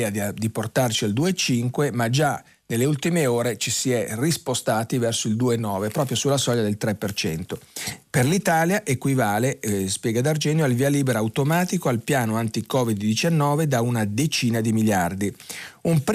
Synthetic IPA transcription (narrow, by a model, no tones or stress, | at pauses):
ad̪iport̪art͡ʃiald̪uːet͡ʃiŋkwemad͡ʒa | nelːeult̪imeoːɾet͡ʃisiɛrispost̪aːt̪ivɛrsoild̪uːenɔːvepɾɔːp̬ɾjosulːasɔʎjːad̪elt̪ɾɛpːert͡ʃɛnt̪operlit̪aːljaʔekwivaːlespjɛːɡad̪ard͡ʒɛːnjoalvialiːbeɾawt̪omaːt̪ikoalpjaːnoant̪ikɔːvid̪ːit͡ʃanːɔːved̪aunad̪et͡ʃiːnad̪imiljard̪iump